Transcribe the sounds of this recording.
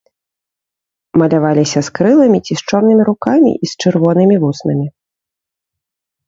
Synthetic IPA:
mɐlʲavalʲisʲɐskɾɨlˠɐmʲit͡sʲist͡ʂɔrn̪ɨmʲiɾukamʲḭʔist͡ʂɨrvɔnɨmʲivusnɐmʲi

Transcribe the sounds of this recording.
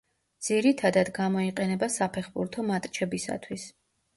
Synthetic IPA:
d̪z̥iɾit̪ʰad̪ad̪ɡamɔiqʼɛnɛbasapʰɛχbuɾt̪ʰɔmat̪ʼt͡ʃʰɛbisa̰t̪ʰwis

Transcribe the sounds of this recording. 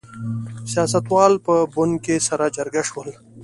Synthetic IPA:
sijaːsət̪waːlpəbʊn̚kesɐɾad͡ʑɐɾɡaʃwəl

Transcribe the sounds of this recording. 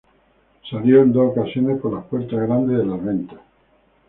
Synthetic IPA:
saljoend̪ookasjo̞nehpoɾlahpwe̞ɾt̪azɣɾand̪ezðelaɾβe̞nt̪ḁs

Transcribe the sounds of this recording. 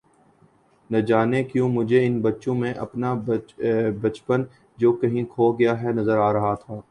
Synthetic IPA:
nɐd͡ʒaːnekjũːmʊd͡ʒʱeɪnbɐtːʃõmẽʔɐ̰pna | bɐt͡ʃpən | d͡ʒoːkɐɦĩkʰoːɡɐjaɦɛnɐzəɾaːɾɐɦat̪ʰaː

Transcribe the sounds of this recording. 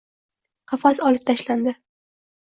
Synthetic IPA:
qʰɑfasɒlɪp̚t̪ʰaʃland̪ɪ

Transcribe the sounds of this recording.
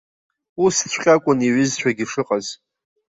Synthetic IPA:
ust͡ɕʷʰχʲʼakʷʼʊniʕʏzt͡ɕʷᶣaɡʲiʂɨqʼaz

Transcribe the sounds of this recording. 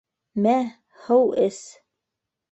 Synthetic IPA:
mæ | hɤwʔɘs

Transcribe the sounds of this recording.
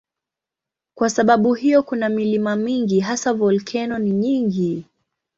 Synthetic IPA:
kwasaɓaɓuhijɔkunamilimamiŋɡiɦasavɔlkʰɛnɔniɲiŋɡi

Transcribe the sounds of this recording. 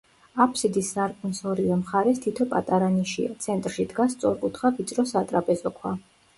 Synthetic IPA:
apʰsid̪isːaɾkʼnsɔɾivɛmχaɾɛst̪ʰit̪ʰɔpʼa̰t̪ʼaɾaniʃḭa̰t̪sʰɛnt̪ʼɾʃid̪ɡast̪sʼɔɾkʼut̪ʰχavit̪sʼɾɔsat̪ʼɾapʼɛzɔkʰwa

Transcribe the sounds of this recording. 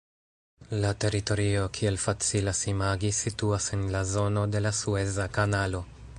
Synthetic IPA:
late̞ɾito̞ɾio̞kʰie̞lfat͡silasimaɡisituase̞nlazo̞no̞de̞lasue̞zakanalo̞

